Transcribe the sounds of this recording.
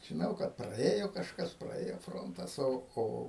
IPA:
ʒʲɪˈnɐʊ kɐt prɐˈeːjoː kɐʃˈkɐs prɐˈeːjoː ˈfroːntɐs ˈoː ˈoː

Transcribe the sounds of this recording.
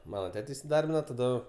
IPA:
ˈmɑːnɐ ˈtʲæːtʲɛ ɪsʲɪˈdɐrʲbʲɪnɐ tɐˈdʊ

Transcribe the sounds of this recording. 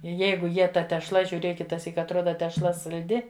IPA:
ˈjɛɪɡʊ ˈjiɛ tɐ tʲɛʃˈlˠɐ ʒʲʊˈrʲeːk kʲɪtɐˈsʲiːk ɐtˈroːdɐ tʲɛʃˈlˠɐ sɐlʲˈdʲɪ

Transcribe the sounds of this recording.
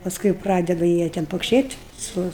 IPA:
pɐˈskʊɪ jɛʊ ˈprɑːdʲɛdʊ ˈjiɛ tʲɛn poːkʃʲeːtʲ ˈsʊ

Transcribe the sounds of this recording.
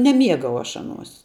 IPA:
nʲɛˈmʲiɛɡɐʊ ˈɐʃ ˈɑːˌnuɔs

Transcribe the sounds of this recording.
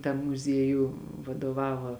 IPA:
tɐm mʊˈzʲiɛjuː ʋɐdoːˈʋɑːʋɐ

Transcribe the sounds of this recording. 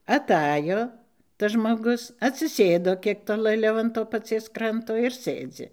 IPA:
ɐˈtɑːjoː tɐs ʒmoːˈɡʊs ɐtʲsʲɪˈsʲeːdoː ˈkʲiɛk toːlˠɘˈlʲɛʊ ɐn ˈtoː pɐˈt͡sʲiɛs ˈkrɐntoː ɪr ˈsɘd͡zʲɪ

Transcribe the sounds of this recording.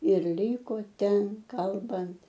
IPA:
ɪr ˈlʲiːkoː ˈtʲɛn ˈkɐlˠbɐnt

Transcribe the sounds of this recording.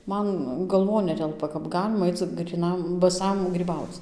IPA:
ˈmɐn ɡɐlˠˈʋoːn ˈnʲæːtʲɛlˠpɐ kɐp ˈɡɑːlʲɪmɐ ˈɐɪt͡s ɡrʲiːˈnɐm bɐˈsɐm ɡrʲiːˈbɐʊt͡s

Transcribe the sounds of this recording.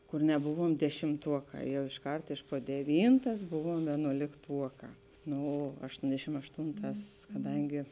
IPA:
kʊr nʲɛˈbʊʋuɔm dʲɛʃʲɪmˈtuɔˌkɑː ˈjɛʊ ɪʃˈkɐrt ɪʃ poː dʲɛˈʋʲiːntɐs ˈbʊʋuɔm ʋʲeːnuɔlʲɪkˈtuɔkɑː ˈnoː ɐʃˈtoːnʲdʲɛʃʲɪm ɐʃˈtuːnˌtɑːs kɐˈdɐŋʲɡʲɪ

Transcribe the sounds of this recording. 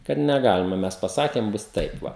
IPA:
kɐt nʲɛˈɡɑːlʲɪmɐ ˈmʲɛs pɐˈsɑːkʲeːm ˈbʊs ˈtɐɪp ˈʋɐ

